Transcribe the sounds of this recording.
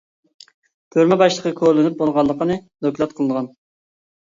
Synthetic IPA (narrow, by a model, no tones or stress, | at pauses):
t̪ʰøɾmɛbɑʃlˠəqʰəkʲʰoɾlˠɪnyp̚bolˠʁɑlˠːəqənɨd̪okʲlˠɑt̪̚qʰəlˠɨnəʁɑn